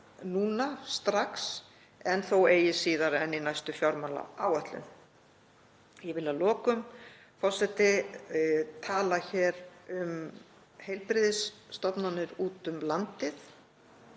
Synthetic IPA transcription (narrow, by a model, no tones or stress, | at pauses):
nuːnast̪ɾaks | ɛnθoweːjɪsiːðaɾɛninajst̪ʏfjɔɾmala̰aːwœht̪lʏ̰n | jɛvɪlaðlɔːkʏm | fɔr̥sɛt̪ːɪ | t̪ʰaːlaçɛːɾʏm | hejlpɾɪðɪsːt̪ɔpnanːʏɾuːt̪ʏmlant̪ɪθ